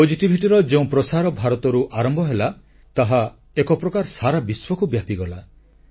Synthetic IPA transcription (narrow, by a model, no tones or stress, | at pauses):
pod͡ʒiʈibʱiʈiɾɔd͡ʒeũpɾɔsaɾɔbʱaɾɔt̪ɔɾuʔaɾɔmbʱɔɦela | t̪aɦa | ekɔpɾɔkaɾsaɾabiswɔkubjapiɡɔla